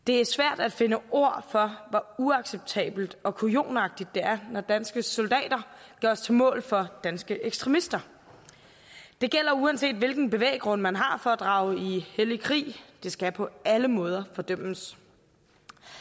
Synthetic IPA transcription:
d̥e̝æɐsʋæɐ̰d̥æd̥fe̝nəʔo̝ɐ̰fɒ̽ʋɒuɑ̈ɡ̥seb̥̚t͡sʰɛ̰ːb̥l̩d̥ɒ̽kʰujo̝̰ːnɑ̈ɡ̥̚d̥id̥ːe̝æɐnɒd̥ænsɡ̥əsɔ̽ld̥ɛ̰ːd̥ɐɡ̥ɒɐst͡sʰe̝mɔ̰̽ːlfɒ̽d̥ænsɡ̥əʔeɡ̥sd̥ʁɛmisd̥ɐ | d̥e̝ɡ̥el̰ɐuænse̝̰ːd̥ʋe̝lɡ̥n̩b̥e̝ʋḛːɡ̥ʁɔ̽n̰mænɦɑ̈fɒ̽æd̥ʁɑ̈ʊihelikʰʁḭːd̥e̝sɡ̥æpʰɒ̽æləmɔ̽ːð̞ˠɐfɒ̽d̥øm̰əs

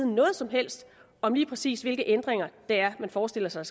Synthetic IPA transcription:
ð̩ˠnɔ̽ːð̞̩ˠsɒ̽mɦel̰sd̥ | ɒ̽mliːpʰʁɛsḭːsʋe̝lɡ̥əʔend̥ʁeŋɐd̥eæɐmænfɒːsd̥e̝l̰ɐsɑ̈ɪs

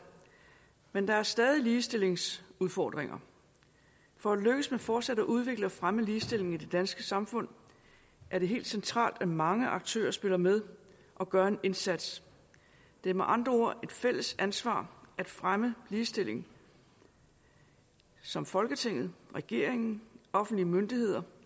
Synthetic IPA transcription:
mend̥ɑ̈æɐsd̥ɛːð̞ˠiliːsd̥e̝le̝ŋsuðˠfɒ̰ːd̥ʁeŋɐ̰ | fɒ̽æd̥løɡ̥əsmefɒːd̥sæd̥æʔuð̞ˠʋe̝ɡ̥ləɒ̽fʁaməliːsd̥e̝l̰e̝ŋ̩id̥e̝d̥ænsɡ̥əsɑ̈mfɔ̽n̰ | ʔæɐɾ̥e̝ɦe̝̰ːld̥sent͡sʰʁɑ̰̈ːld̥æmɑ̈ŋəʔɑ̈ɡ̥̚t͡sʰø̰ːɐsb̥e̝lɐmeð̞ˠ | ʔɒ̽ɡ̥ɶɐe̝ne̝nsæd̥s | d̥e̝meʔɑ̈nd̥ʁɐo̝ɐ̰e̝d̥fel̰əsænsʋɑ̰̈ːʔæd̥fʁaməliːsd̥e̝l̰e̝ŋ | sɒ̽mfɒ̽lɡ̥ət͡sʰe̝ŋ̰ð̩ˠʁɛɡ̥e̝̰ɐ̰eŋn̩ʔɒ̽fn̩d̥liəmønd̥ihe̝ð̞̰ˠɐ

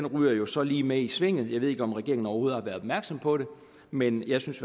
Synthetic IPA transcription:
enʁyːɐjo̝sɒ̽liːmeisʋe̝ŋ̰ð̩ˠjɑ̈ʋe̝e̝ɡ̥əɒ̽mʁɛɡ̥e̝ɐŋn̩ɒʊho̝ːð̩ˠhɑ̈ʋæɐð̥ˠɒ̽bmæɐɡ̥sɒ̽mpʰɒ̽ɾ̥e̝ | menjɑ̈ɪsyns

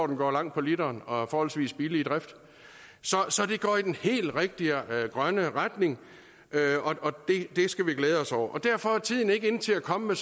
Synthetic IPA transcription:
d̥n̩ɡ̥ɒ̰ːlɑ̈ŋ̰d̥pʰɒ̽lidɐːnɒ̽fɒːhɒ̽l̰sʋḭːsb̥ilid̥ʁɛfd̥ | sɒ̽sɒ̽d̥e̝ɡ̥ɒ̰ːid̥enhe̝̰ːld̥ʁeɡ̥̚d̥iɡ̥ʁɶnəʁad̥ne̝ŋ | ʔøɒ̽ʔɒ̽d̥e̝d̥e̝sɡ̥æʋiɡ̥leːð̞ˠɒ̽sɒʊ̰ɐʔɒ̽d̥æɐ̰fɒ̽æɐt͡sʰið̞̰ˠn̩e̝ɡ̥əe̝n̩t͡sʰe̝lækʰɒ̽məmes

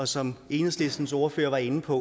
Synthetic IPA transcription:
ɒ̽sɒ̽me̝ːnəsl̥e̝sd̥n̩s̬oɐføɐʋɑ̈e̝nn̩pʰɒ̽

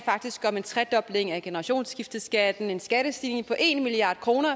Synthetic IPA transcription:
fɑ̈ɡ̥d̥isɡ̥ʰɒ̽me̝nt͡sʰʁɛd̥ɒ̽b̥le̝ŋ̩æɡ̥e̝nəʁɑ̈ɕo̝̰ːnsɡ̥ifd̥əsɡ̥æd̥n̩e̝nsɡ̥æɾ̥əsd̥iːne̝ŋpʰɒ̽ʔe̝nmiliɑ̰̈ːd̥kʰʁo̝ːnɐ

